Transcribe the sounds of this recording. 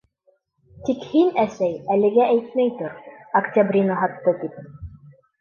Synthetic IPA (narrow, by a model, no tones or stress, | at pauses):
t̪ikhinæsæjælɘ̆ɡæʔæjt̪mæjt̪oɾɐkt̪ʲabrʲinɑɦɑt̪ːɤt̪ip̚